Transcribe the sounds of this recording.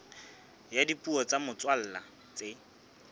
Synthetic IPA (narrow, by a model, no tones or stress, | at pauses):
jadipuɔt͡samʊt͡swal̩ːla | t͡se